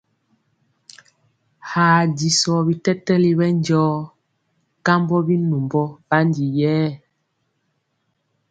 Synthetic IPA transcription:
haː˨di˨sɔ˨bi˨tɛ˦tɛ˦li˦bɛ˦nd͡ʒɔː˦ | ka˦mbɔ˦bi˦nu˨mbɔ˦ba˦ndi˨jɛː˦

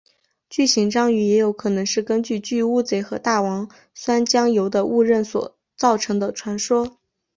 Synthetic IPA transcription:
t͡ɕy˥˩ɕi˧˥ŋʈ͡ʂɑ˥ŋy˧˥jɛ˧˥jo˧˥ʊkʰɤ˨˩nɤ˧˥ŋʂɻ̩˥˩kə˥nt͡ɕy˥˧t͡ɕy˥˧u˥˩t͡se˧˥ɪxɤ˧˥t̪a˥˩wɑ˧˥ŋ | swa˥nt͡ɕjɑ˥ŋjo˧˥ʊd̪ə˧ʔu˥˧ɻə˥˩nswɔ̰˨˩˦ | t͡sɑ˥˩ʊʈ͡ʂʰɤ˧˥ŋd̪ə˧ʈ͡ʂʰwa˧˥nʂwɔ˥

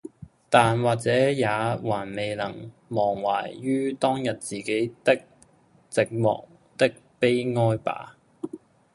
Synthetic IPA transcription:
t̪aː˨nwaː˨˩k̚t͡sɛː˨˥jaː˨˧waː˨˩nme˨jlɐ˨˩ŋmɔː˨˩ŋwa̰ː˨˩jɥyː˥t̪ɔː˥ŋjɐ˨t̚t͡siː˨ke˨˥jt̪ɪ˥k̚ | t͡sɪ˨k̚mɔ̰ː˨˩k̚ | t̪ɪ˥k̚pe˥jŋɔː˥jpa̰ː˨˥

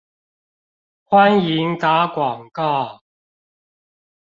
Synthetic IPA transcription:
xwa˦˥nji˨˥ŋt̪a˨˥kwɔ˨˩ŋka˥˩

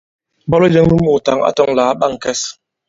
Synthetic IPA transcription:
bɔ˦lɔ˦d͡ʒə˦ŋmu˦mo˨ta˨ŋa̰˦tɔ˦ŋlaː˨˦ɓa˦ŋ˨kɛ˦s

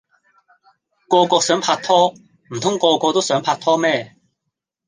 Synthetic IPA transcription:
kɔː˧kɔː˧k̚sœː˨˥ŋpʰaː˧k̚t̪ʰɔː˥ | m̩˨˩t̪ʰʊ˥ŋkɔː˧kʷɔː˧t̪o˥wsœː˨˥ŋpʰaː˧t̪ʰɔː˥mɛː˥˩

